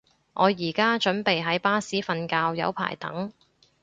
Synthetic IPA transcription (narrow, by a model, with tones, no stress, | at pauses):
ŋʔɔː˨˧jiː˨˩kaː˥t͡ʃɵ˨˥npe˨jɦɐ˨˥jpaː˥siː˨˥fɐ˧nkaː˧wjɐ̰˨˧wpʰa̰ː˨˩jt̪ɐ̰˨˥ŋ